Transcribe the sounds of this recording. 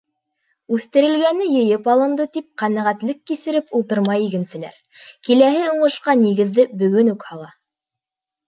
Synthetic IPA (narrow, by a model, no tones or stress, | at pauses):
ʉθt̪ɘ̆ɾɘ̆lɡænɘjɤ̆jɤpɑlˠɤ̆nd̪ɤt̪ip̚qænæʁæt̪lɘkːisɘ̆ɾɘpulˠt̪ɤɾmɑjiɡɘ̆nsɘ̆læ̰ɾ | kilæɦɘuɴɤ̆ʃqɑniɣɘ̆ðːɘbɵ̆ɡɵnʉkhɑlˠɑ